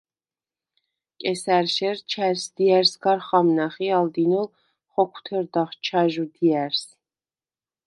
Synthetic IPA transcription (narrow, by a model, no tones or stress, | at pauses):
kʼɛsæɾʃɛɾt͡ʃʰæɾsd̪iæɾsɡaɾχamnaχiald̪inɔl | χɔkʰu̥t̪ʰɛɾd̪aχt͡ʃʰaʒud̪iæɾs